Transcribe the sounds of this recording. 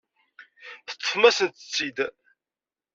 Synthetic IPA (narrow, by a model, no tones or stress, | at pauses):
θə̥t͡s̪ˤːəfmæsənt̪ə̥t͡sːid̪